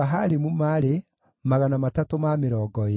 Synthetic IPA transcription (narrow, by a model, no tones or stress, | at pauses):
aɦaɾemumaɾe | maɣanamatatomameɾɔːɡɔ